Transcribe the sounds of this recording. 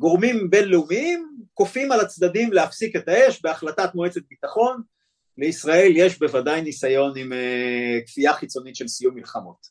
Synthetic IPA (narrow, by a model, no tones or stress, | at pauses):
ɡo̞ʁmimbe̞nleumiimko̞fimalat͡sdadimleafsike̞tae̞ʃbeaχlatat̪moe̞t͡set̪̚bitaχo̞n | le̞isʁae̞lje̞ʃbe̞vadajnisajo̞nimekfiaχit͡so̞nit̪ʃe̞lsijumːilχamo̞t̪